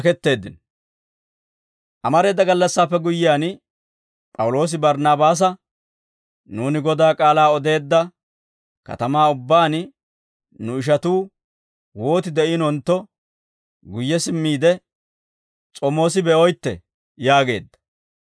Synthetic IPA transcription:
kɛt̪ːe̞ːd̪ɪn | ʔɐmɐɾe̞ːd̪ːɐɡɐlːɐsːaːpːɛɡʊjːɪaːn | pʼɐwʊlo̞ːs̬ɪbɐɾnaːbaːs̬ɐ | nuːnɪɡɔd̪aːkʼaːlaːɔd̪e̞ːd̪ːɐ | kɐ̰t̪ɐmaːʊbːaːn | nʊɪʃ̬ɐt̪uː | wo̞ːt̪ɪd̪ɛɪnɔnt̪ːɔ | ɡʊjːɛsɪmːiːd̪ɛ | t͡sʼɔmo̞ːsɪbɛɔjt̪ːɛ̰ | jaːɡe̞ːd̪ːɐ̥

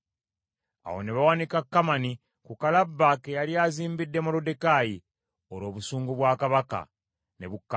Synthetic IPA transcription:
a̰ho̞̰ne̞βawanikakːamani | kukalabːake̞jaljaziːmbidːe̞molode̞kaːji | oɾo̞ːβusuːŋɡuβwaːkaβaka̰ | ne̞̰βukːa

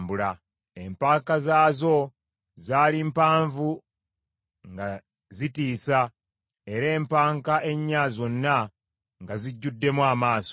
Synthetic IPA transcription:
mbula | empaːkazaːzo̞ | zaːlimpaːɱvu | ŋɡa | zitiːsa | e̞ɾe̞ːmpaːŋkaʔe̞ɲːaːzo̞nːa | ŋɡaziɟːudːe̞mwaːmaːso

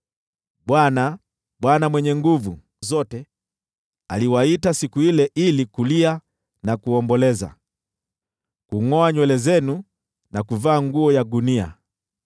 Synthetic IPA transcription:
ɓwana | ɓwanamwɛɲɛŋɡuvu | zɔtɛ | a̰liwaitasikuilɛʔilikulia | nakuɔmbɔlɛza̰ | kuŋɔaɲwɛlɛzɛnu | nakuvaːŋɡuɔjaɗunia̰

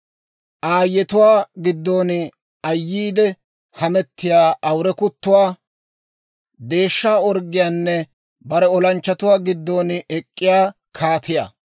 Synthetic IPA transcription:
ʔaːjːɛt̪ʊwaːɡɪd̪ːoːn | ɐjːiːd̪ɛ | hɐmɛt̪ːɪjaːʔɐwɾɛkʊt̪ːʊwaː | d̪e̞ːʃːaːɔɾɡɪjaːnːɛ | bɐɾɛɔlɐnt͡ʃːɐt̪ʊwaːɡɪd̪ːoːnɛkʼːɪjaː | kʰaːt̪ɪja̰ː

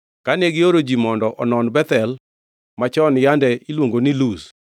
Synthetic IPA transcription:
kaneɡɪoɾod͡ʒimɔndɔʔɔnɔnbɛt̪ɛl | mat͡ʃɔnjandɛʔilwoŋɡonilus

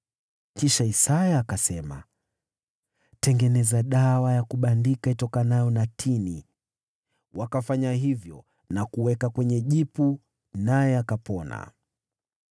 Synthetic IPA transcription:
kiʃaisajaːkasɛma̰ | tɛŋɡɛnɛzaɗawajakuɓandikaitɔkanajɔnatʰini | wakafaɲaɦivjɔ | nakuwɛkakwɛɲɛʄipu | najɛakapɔna̰

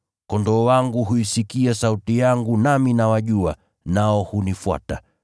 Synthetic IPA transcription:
kɔndɔːwaŋɡuɦuisikiasautijaŋɡunaminawaʄua | naɔhunifwa̰ta

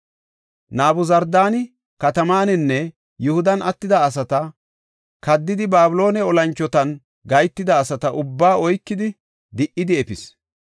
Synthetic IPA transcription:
naːbʊzɐɾd̪aːnɪ | kɐt̪ɐmaːnɛnːɛ | jʊhʊd̪ɐnʔɐt̪ːɪd̪ɐːs̬ɐt̪ɐ | kɐd̪ːɪd̪ɪbaːbʊlo̞ːnɛɔlɐnt͡ʃːɔt̪ɐn | ɡɐjt̪ːɪd̪ɐːsɐt̪ɐʔʊbːaːɔjkːɪd̪ɪ | d̪ɪʔːɪd̪ɪɛpɪs

